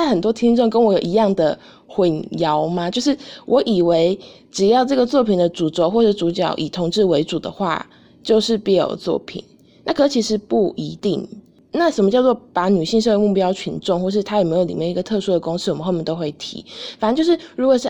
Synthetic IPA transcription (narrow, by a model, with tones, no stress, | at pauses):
a˥˩xə˨˩nt̪̬wɔ˦˥t̪ʰi˥ŋʈ͡ʂɔ˥˩ŋkə˦˥nwɔ˧˥jo˨˩ʊi˧˦jɑ˥˩ŋd̪ə˩ | xə˧˥njɑ˧˦ʊma˧t͡ɕjo˥˧ʊʂ̬ɻ̩˥˩wʔɔ˧˦ʔi˨˩we˧˥ɪ | ʈ͡ʂɻ̩˨˩jɑ˥˧ʊʈ͡ʂɤ˥˩ɡə˩t͡swɔ˥˩pʰi˨˩nd̪ə˦ʈ͡ʂu˨˩t͡sɔ˧˦xwɔ˥˧ʂ̩˥˩ʈ͡ʂu˧˥t͡ɕjɑ̰˨˩ʊʔi˨˩t̪ʰʊ˧˥ŋʈ͡ʂɻ̩˥˩we˧˥ɪʈ͡ʂu˨˩d̪ə̰˦xwa̰˥˧ | t͡ɕjo˥˧ʊʂɻ̩˥˧pi˥˩njo̰˨˩ʊt͡swɔ̰˥˩pʰḭ˨˩˦n | na˥˩kʰɤ˨˩˥t͡ɕʰi˧˥ʂɻ̩˨˧˦pu˥˩i˧˥˦t̪i˥˨˩ŋ | na˥˩ʂə˨˩mə˦t͡ɕjɑ˥˧ʊt͡swɔ˥˩pa˨˥˦ny˨˩ɕi˥˧ŋʂ̬ə˥˧we˥˧mu˥˩pjɑ˥ʊt͡ɕʰy˧˥nʈ͡ʂŋxwɔ˥˧ʂɻ̩˥˩t̪ʰa˥jme˧˥ɪjo˧˩ʊlḭ˨˩mjɛ˥˩ni˧˥ɡə˨˩t̪ʰɤ˥˧ʂu˥d̪ə˨kʊ˥˦ŋʂ̩˥˩˨mə˨˦xo˥˧mjɛ˥˧˩t̪o˥ʊxwe˥˩ɪt̪ʰḭ˧˦fa˨ə˧˦t͡ɕo˥˧ʊʂɻ̩˥˩ɻu˧˥kwɔ˨˩ʂ̩˥˩